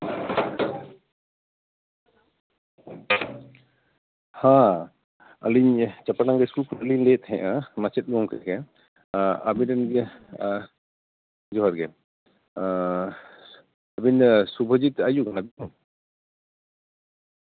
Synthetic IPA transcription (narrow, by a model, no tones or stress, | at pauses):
hã | aliɲt͡ʃapaʈaŋɡɛskulkʰɔnliɲlɛt̪hɛ̃ʔamat͡ʃɛt̪̚ɡɔmkʰɛkʰɛ | abinɛnɡɛ | d͡ʒɔɦaɾɡɛ | abinsubʱəd͡ʒit̪̚ajuɡanabitum